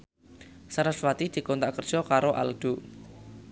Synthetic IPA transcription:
saɾaswat̪id̪̥i̤kɔnt̪aʔkərd̥ʒ̥ɔkaɾoʔa̰lɖ̪̥ṳ

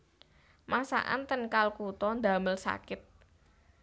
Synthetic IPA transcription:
masa̰ʔa̰nt̪ənkalkut̪ɔnd̪a̤məlsa̰kɪt̪̚

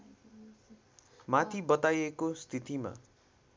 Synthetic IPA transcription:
mat̪ʰibʌt̪ajekost̪ʰit̪ima̰

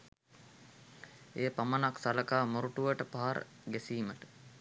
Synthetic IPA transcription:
eːpamənaksaləkaːmuɾuʈuʋəʈəpaɦaɾə̰ | ɡesiːməʈə̥

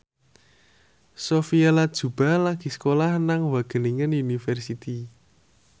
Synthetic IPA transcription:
sofialad̥ʒ̥ṳb̥a̤laɡ̥i̤skolahnaŋwaɡ̥ə̤niŋənjunifɛrsit̪i

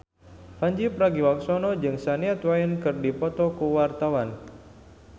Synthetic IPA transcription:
faɲd͡ʒipɾaɡiwaksɔnɔd͡ʒɨŋsaniat̪wajənkɨrdipɔt̪ɔkuwart̪awan

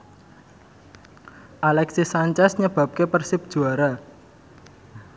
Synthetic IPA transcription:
ʔalɛksisaɲt͡ʃɛsɲəb̥a̤p̚kepərsɪp̚d̥ʒ̥uaɾa

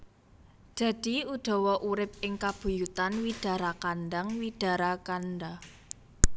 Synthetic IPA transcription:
d̪̥ä̤d̪̥i̤ud̪̥ɔ̤wɔʔuɾɪp̚ɪŋkab̥ṳjut̪anwid̥a̤ɾakanɖaŋwid̥a̤ɾakanɖa

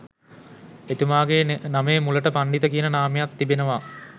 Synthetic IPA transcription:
et̪umaːɡeːnameːmuləʈəpaɳɖit̪əkijənənaːmejat̪ːibenəʋa

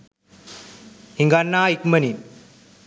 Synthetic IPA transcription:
hiŋɡanːaːikmɐni

